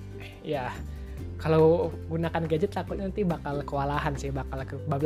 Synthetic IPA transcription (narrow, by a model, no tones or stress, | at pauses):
ja | kalawɡunakanɡad͡ʒɪt̪ːakʊt̪ɲanant̪ibakalkəwalaɦansɪhbakalkəbabl